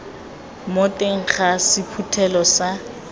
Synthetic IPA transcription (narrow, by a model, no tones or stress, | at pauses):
motʼeŋ̩χasɪpʰutʰɛlɔsa